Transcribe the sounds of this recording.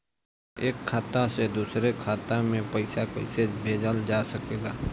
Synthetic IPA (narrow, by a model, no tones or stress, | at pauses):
eːkʰːaːt̪ased̪uːsɾekʰaːt̪amẽpəɪsakəɪsebʱeːd͡ʒəld͡ʒaːsəkeːɡaː